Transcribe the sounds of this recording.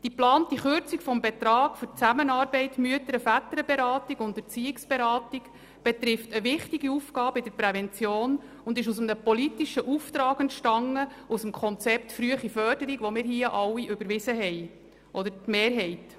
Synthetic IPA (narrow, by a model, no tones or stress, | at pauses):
d̥iplɑːntiχʏɾt͡sikfɔmbɛt̪ɾɑːɡ̥fʏɾt͡sæmənɑːɾbɛɪtmyətəɾəfætəɾəbeɾɑːtiɡʊndət͡siɪksb̥eɾɑːtik | b̥ɛt̪ɾɪftəʋɪχtiɡiufɡɑːbəɪd̥əɾpɾɛvɛnt͡sjoːn | ʊndɪʃus̬əmnəpɔlitiʃəʔuft̪ɾɑːɡəntʃtɑŋːə | usəmkʰɔnt͡sɛpt̪fɾyəχifœːɾd̥əɾiɡʋɔmɪːɾɦiəʔɑwːiʔʏbəɾʋɪzəɦɛj | ʔɔd̪əɾtmeːrɦɛɪt